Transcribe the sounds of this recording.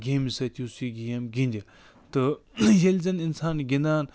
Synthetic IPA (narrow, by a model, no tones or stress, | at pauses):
ɡemisɐt̪ʲjusiɡijɐmɡinʲd̪ʲɐ | t̪ɨjelzɐninsaːnɡinaːn